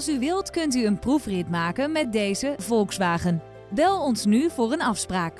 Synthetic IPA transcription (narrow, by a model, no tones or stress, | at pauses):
ɑlˠsyʋɪlˠtkɵntyənprufrɪtmaːkənmɛt̚dejzəvɔlˠksʋaːχən | bɛlˠɔnsnyvʊːrənɑfspraːk